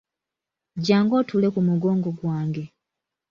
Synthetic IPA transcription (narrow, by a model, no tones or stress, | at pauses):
ɟaːŋɡo̞ːtʰule̞kumuɡo̞ːŋɡo̞ɡwaːŋɡe̞